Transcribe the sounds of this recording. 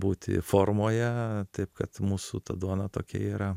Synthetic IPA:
buːt̪ʲɪ̰foːrmoːjɛt̪ɐɪpkɐt̪muːsut̪ɐd̪uɔnɐt̪oːkʲɛ̰iːɾɐ

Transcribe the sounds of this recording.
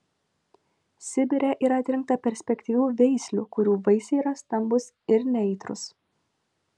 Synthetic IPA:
sʲɪbʲɪɾʲɛʔiɾɐːt̪ʲɾʲɪŋk̚t̪ɐpʲɛɾʲsʲpʲɛkʲt̪ʲiːʋʲuːʋʲɛɪsʲlʲṵːkʊɾʲuːʋɐɪsʲɛiːɾɐst̪ɐmbʊs | ɪɾnʲɛɪt̪ɾʊ̰s

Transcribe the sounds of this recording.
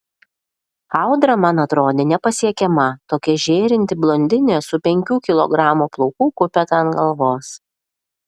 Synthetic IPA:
ɑˑʊd̪ɾɐmɑnɐt̪ɾoːd̪ʲeːnʲɛpɐsʲiɛkʲɛmɐt̪oːkʲɛʒʲeːɾʲɪnʲt̪ʲɪblˠɔnʲd̪ʲɪnʲeːsʊpʲɛŋʲkʲuːkʲɪlˠɔ̰ɡɾɑːmuːplˠɔʊkuːkʊpʲɛt̪ɐnɡɐlˠʋoːs

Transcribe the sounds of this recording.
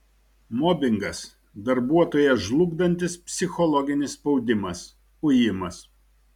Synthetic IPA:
mɔbʲɪŋɡɐs | d̪ɐɾbuɔt̪oːjɛʒlˠʊɡd̪ɐnʲt̪ʲɪspʲsʲɪxɔlˠɔɡʲɪnʲɪspɔʊd̪ʲɪmɐs | ʊjɪmɐs

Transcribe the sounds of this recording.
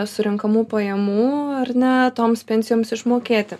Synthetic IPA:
sʊɾʲɪŋkɐmuːpɐjɛmuːɐrnʲɛt̪oːmspʲɛnʲsʲɪjoːmsɪʃmoːkʲeːt̪ʲɪ

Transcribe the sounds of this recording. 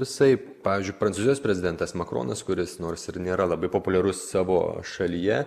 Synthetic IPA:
ʋʲɪsɐɪpɑːʋʲɪːzʲd͡ʒʲʊɪpɾɐnsuzʲɪjoːsʲpʲɾʲɛzʲɪd̪ʲɛnt̪ɐsmɐkɾo̰ːnɐskʊɾʲɪsnoːɾsɪɾnʲeːɾɐlˠɐbɐɪpoːpʊlʲɛɾʊssɑːʋo̰ːʃɐlʲijɛ

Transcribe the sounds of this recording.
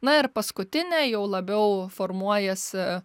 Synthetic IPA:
nɐɪrpɐskʊt̪ʲɪnʲɛjɛʊlˠɐbʲɛʊformuɔjɛs

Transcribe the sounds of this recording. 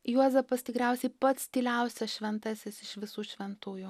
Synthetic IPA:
juɔzɐpɐst̪ʲɪkɾʲɛʊsʲɛɪpɐt̪st̪ʲiːlʲɛʊsʲɛsʃʲʋʲɛnt̪ɐsʲɪsɪʃʋʲɪsuːʃʲʋʲɛnt̪uːju

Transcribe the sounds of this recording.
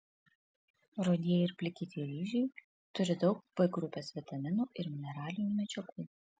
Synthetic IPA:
ɾoːd̪ʲiɛjɪɾpʲlʲɪkʲɪt̪ʲiːɾʲiːʒʲuj | t̪ʊɾʲɪd̪ɒʊk̚b̥ɐɪɡɾʊpʲeːsʋʲɛt̪ɐmʲɪnuːʔɪɾmʲɪnʲɛɾɑːlʲɪnʲuːˑmʲɛt͡ʃʲɛkuː

